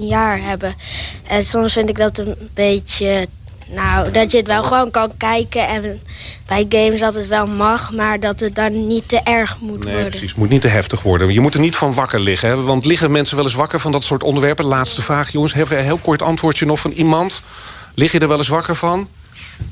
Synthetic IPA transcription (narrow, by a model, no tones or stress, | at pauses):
njaːɹɦɛbəʔənsɔmsfɪntɪɡdɑtənbejtə | nawdɑtjəətʋɛlˠχəʋoːnkɑnkɛjkəɛnb̥ɛjɡejmsɑtətʋɛlˠmɑχmaːɹdɑtət̚dɔnnitːəʔɛɹχmuneʋɔɹdəsismutnitəɦɛftəχʋɔ̰ɹdəjəmutəɹnitfɑnʋɑkəɹlɪχəɦɛʋɑntlɪχəmɛnsənʋɛlˠɪs̬ʋɑkəɹvɑndɑtsʊːɹtɔndəɹʋɛɹpəlaːtstəvraːχjɔŋəsɦɛfəɦɪːlˠkɔɹtɑntʋʊːɹtjənɔχfɑnʔimɑntlɪχjədəɹʋɛlˠɪsʋɑkəɹvɑn